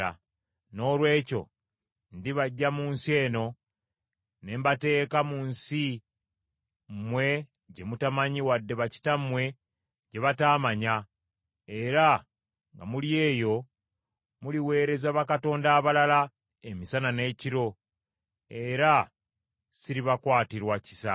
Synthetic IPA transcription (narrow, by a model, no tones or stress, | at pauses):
a̰ | no̞ːlwe̞ːco̞̰ | ndiβaɟːamuːnsie̞ːno̞ | ne̞ːmbate̞ːkamunsi | mwe̞ | ɟe̞mutamaɲiwadːe̞βaci̥tamwe̞ | ɟe̞βataːmaɲa | e̞ɾa | ŋɡamulije̞ːjo̞ | muliwe̞ːɾe̞zaβakato̞ːndaːβalala | emisanane̞ːciɾo̞ | e̞ɾa | siɾiβakwaːtiɾwaci̥sa̰